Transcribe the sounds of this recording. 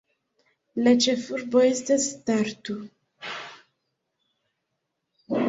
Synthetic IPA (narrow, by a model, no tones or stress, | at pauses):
lat͡ʃefuɾboest̪est̪aɾt̪u